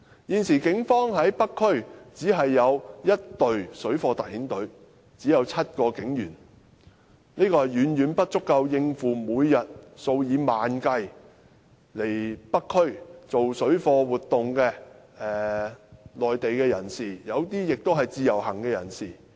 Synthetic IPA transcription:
jiː˨˧nsiː˨˩kɪ˨˥ŋfɔː˥ŋɦɐ˨˥jpɐ˥kʰːɵ˥ɥt͡siː˨˥ɦɐ˨jːɐ˨˧wjɐ˥t̚t̪ɵ˨ɥsɵ˨˥ɥfɔː˧t̪ɐ˨k̚hiː˨˥nt̪ɵ˨˥ɥ | t͡siː˨˥jɐ˨˧wt͡sʰɐ˥t̚kɔː˧kɪ˨˥ŋjyː˨˩n | niː˥kɔː˧hɐ˨˩jjyː˨˥njyː˨˥npɐ˥t̚t͡sʊ˥kːɐ˧wjɪ˧ŋfuː˨muː˨˧jːɐ˨t̚so˧wjiː˨˧maː˨nkɐ˧j | le˨˩jpɐ˥kʰːɵ˥ɥt͡so˨wsɵ˨˥ɥfɔː˧wuː˨˩t̪̚ːʊ˨ŋkɛː˧ | ɛː˨˩ | lɔː˨jt̪e˨jkɛː˧jɐ̰˨˩nsiː˨˩jɐ˨˧wt̪iː˥jɪ˨k̚t̪o˥wɦɐ˨jt͡siː˧jɐ˨˩whɐ˨˩ŋkɛː˧jɐ̰˨˩nsiː˨˩

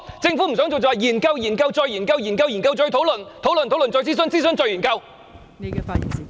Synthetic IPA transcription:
t͡sɪ˧ŋfu˨˥m̩˨˩sœː˨˥ŋt͡so˨wt͡sɔː˧jiː˨˩nkɐ˧wjiː˨˩nkɐ˧wt͡sɔː˧jːiː˨˩nkɐ˧wjiː˨˩nkɐ˧wji˨˩nkɐ˧wt͡sɵ˧ɥt̪ʰo˨˥wlɵ˨nt̪ʰo˨˥wlə˨nt̪ʰwlɵ˨ntt͡sɔ˧jt͡si˥s̬ɵ˧nt͡siː˥sɵ˧nt͡sɵ˧jy˨˩nkɐ˧w | ne˨˧kɛ˧faː˧ḭ˨˩nsi˧

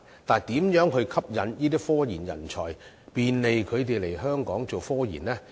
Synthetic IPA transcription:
t̪aː˨nt̪iː˨˥mjœː˨˥ŋɦɵ˧kʰɐ˥p̚jɐ˨˧njiː˥t̪iː˥fɔː˥jiː˨˩njɐ̰˨˩nt͡ʃʰɔ̰ː˨˩j | piː˨nle˨jkʰɵ˨˧ɥt̪e˨jle˨˩jɦœː˥ŋkɔː˨˥ŋt͡so˨wfɔː˥jḭː˨˩nlɛː˥

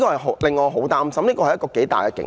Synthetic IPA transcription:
kɔː˧hɐ˨˩jɦo˨˥lɪ˨ŋːɔː˨˧ɦo˨˥wt̪aː˥msɐ˨˧mniː˥kɔ˧hjɐ˥kɔː˧ke˨˥jt̪a̰ː˨jkɛ˧kɪ̰˨˥ŋ

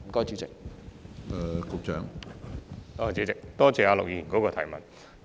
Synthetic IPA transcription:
kɔː˥jt͡ʃyː˨˥t͡sɪ̰˨k̚ | ɛ˨kʊ˨˧k̚t͡ʃœː˨˥ŋ | ɔː˨˧t͡ɕi˨˧˥t͡sɪ˨k̚t̪ɔː˥t͡sɛː˨˧aː˨˧lʊ̰˨k̚jiː˧ji˨˩nkɔ˨˧˥kɔː˧t̪ʰɐ̰˨˩jmɐ˨n

